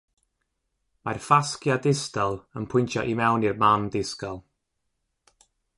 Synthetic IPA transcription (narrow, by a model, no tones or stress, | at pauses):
marfaskjadɪstɔlˠənpʰʊjntʰjɔʔimɛwnirmamdɪskɔlˠ